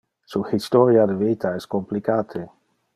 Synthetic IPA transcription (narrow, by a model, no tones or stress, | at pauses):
suhist̪ɔɾjad̪evet̪aɛskomplikaːt̪ʰe